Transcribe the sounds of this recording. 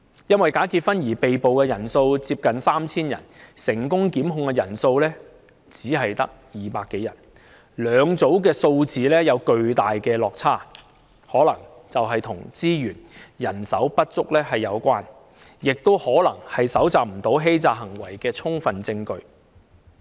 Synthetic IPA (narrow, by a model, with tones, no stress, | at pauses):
jɐ˥nwɐ˨jkaː˨˥kiː˧t̚fɐ˥njiː˨˩pe˨jpo˨wkɛː˧jɐ˨˩nso˧wt͡siː˧p̚kɐ˨nsaː˥mt͡sʰiː˥njɐ̰˨˩nsɪ˨˩ŋkʊ˥ŋkiː˨˥mɦʊ˧ŋkɛ˧jɐ˨˩nso˧wlɛː˥ | t͡siː˨˥ɦɐ˨jt̪ɐ˥k̚jiː˨paː˧kːe˨˥jɐ˨˩n | lœː˨˧ŋt͡so˨˥wk̬ɛː˧so˧wt͡siː˨lɛː˥jɐ˨˧wkɵ˧ɥt̪aː˨jkɛː˧lɔː˨k̚t͡sʰaː˥ | hɔː˨˥lɐ̰˨˩ŋ | t͡sɐ˨wɦɐ˨jt̪ʰʊ˨˩ŋt͡siː˥jyː˨˩njɐ˨˩nsɐ˨˥wpɐ˥t̚t͡sʊ˥k̚lɛː˥ɦɐ˨jːɐ˨˧wkʷaː˥n | jɪ˨k̚t̪o˥whɔː˨˥lɐ̰˨˩ŋhɐ˨jsɐ˨˥wt͡saː˨˧p̚m̩˨˩t̪o˨˥wɦe˥jt͡saː˧ɦɐ˨˩ŋwɐ˨˩jkɛː˧t͡sʰʊ˥ŋfɐ˨nt͡sɪ˧ŋkɵ˧ɥ